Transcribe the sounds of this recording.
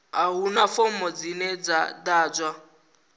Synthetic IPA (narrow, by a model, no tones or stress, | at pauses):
aɦunafomɔd͡zinɛd͡zadaːd͡zwa